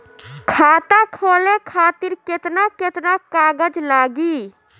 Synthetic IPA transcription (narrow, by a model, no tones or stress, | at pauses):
kʰat̪akʰolekʰat̪iɾket̪naket̪nakaɡəd͡ʒlaɡi